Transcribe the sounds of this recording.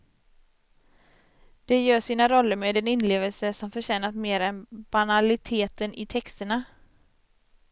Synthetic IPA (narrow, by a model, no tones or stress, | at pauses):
d̪̥ɛjœːʂiːnaɾɔlːəɾmeːd̪ɛnɪnleːvəlsəʂɔmfœɕɛːnat̪meːɾɛnb̥analɪt̪ʰeːt̪ənʔɪt̪ʰɛkst̪əɳa